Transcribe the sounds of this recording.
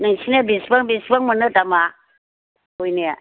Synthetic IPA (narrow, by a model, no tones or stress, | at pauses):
nɯŋsinabisbaŋbisbaŋmɯnɯtama | ojnia